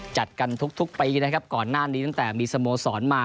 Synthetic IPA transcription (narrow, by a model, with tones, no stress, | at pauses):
t͡ɕa˨˩t̪̚ka˧nt̪ʰu˦˥k̚t̪ʰu˦˥k̚piː˧na˦˥kʰa˦˥p̚kɔː˨˩nːaː˥˩niː˦t̪a˥˩ŋt̪ɛː˨˩miː˧sa˧moː˧sɔː˩˦nmaː˧